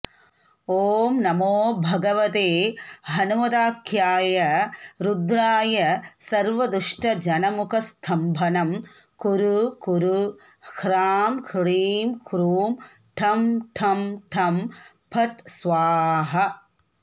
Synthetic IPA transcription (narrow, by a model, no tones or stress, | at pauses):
oːmnɐmoːbʱɐɡɐʋɐt̪eːɦɐnumɐd̪aːkʰjaːjɐɾud̪ɾaːjɐsɐɾʋɐd̪uʂʈɐd͡ʒɐnɐmukʰɐst̪ʰɐmbʱɐnɐm | kuɾukuɾu | hɾaːmkʰɭiːmkʰɾuːm | ʈʰɐmʈʰɐmʈʰɐm | pʰɐʈsʋaːɦɐ